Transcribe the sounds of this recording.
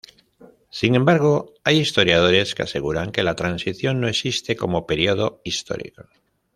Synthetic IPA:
siŋẽ̞mbaɾɣ̞o̞ajist̪o̞ɾjað̞o̞ɾe̞skease̞ɣ̞uɾaŋke̞lat̪ɾansiθjo̞nːo̞e̞sist̪e̞ko̞mo̞pe̞ɾio̞ð̞o̞ist̪o̞̰ɾḭko̞

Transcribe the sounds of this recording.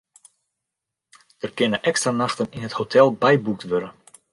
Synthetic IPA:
d̥ərkɪnəʔɛkstranaxtəninɦəthotʰɛlˠbɛjbuk̚tʋøɾən

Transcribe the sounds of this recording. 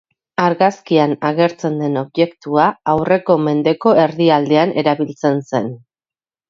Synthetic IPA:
aɾɣaskianaɣ̞e̞ɾt͡se̞nd̪e̞no̞βje̞kt̪uaawre̞ko̞me̞nd̪e̞ko̞e̞ɾðiald̪e̞anʔe̞ɾaβilt͡se̞nse̞n

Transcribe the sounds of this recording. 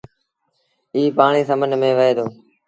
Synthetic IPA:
iːpaːɳ̃iːs̬əmənmẽːʋəeːd̪oː

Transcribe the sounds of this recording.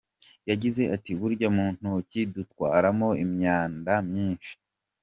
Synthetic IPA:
jaɟize̞ʔatiβuɾɟamuːn̥hucidutkwa̰ːɾamo̞imɲaːndamɲiːnʃi̥

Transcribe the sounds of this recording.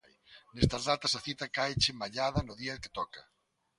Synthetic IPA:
jnest̪ɐzðat̪ɐsɐθit̪ɐkajt͡ʃɪmaʎaðɐnʊðiɐðɪkɪ̥t̪ɔkɐ

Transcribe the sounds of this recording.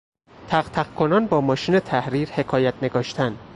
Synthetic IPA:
t̪ʰæqt̪ʰæqkʰo̞nɒnbɒːmɒːʃiːne̞t̪ʰæhɾiːɾhe̞kʰɒːjæt̪̚ʰne̞ɡɒːʃt̪ʰænd̪

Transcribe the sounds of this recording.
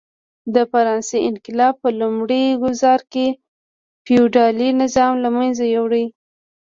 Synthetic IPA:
d̪əfaɾɑnseɪnkɪlɑb̚pəlumɽiɡʊzɑɾke | fiuɖɑlinɪzɑmlamanzajawɽij

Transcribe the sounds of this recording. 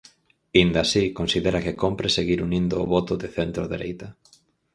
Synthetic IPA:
ind̪ɐsikonsiðeɾɐkɪkompɾeseɣiɾunind̪ʊːβɔt̪ʊðeθent̪ɾoðeɾejt̪ɐ

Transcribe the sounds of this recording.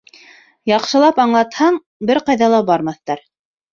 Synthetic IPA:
jɑqʃɤ̆lˠɑpɑɴlˠɑt̪hɑɴ | bɘɾqɑjðɑlˠɑbɑɾmɑθt̪ɑɾ

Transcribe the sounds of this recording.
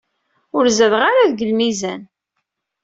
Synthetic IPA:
ʊɾzəvʁaɾaðɡəlmizæn

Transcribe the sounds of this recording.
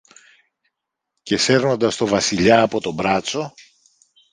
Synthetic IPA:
ce̞se̞ɾno̞nd̪ɐst̪o̞vɐsiʎɐːpo̞t̪o̞bɾɐt͡so̞

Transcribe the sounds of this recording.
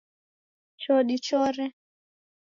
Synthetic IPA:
t͡ʃɔɗit͡ʃɔɾɛ

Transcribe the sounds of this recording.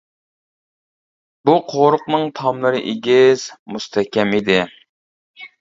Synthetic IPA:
buqʰoɾʊqnɨŋt̪ʰɑmlˠɨɾɨʔeɡʲiz̥must̪ʰɛkʲɛmid̪ɪ

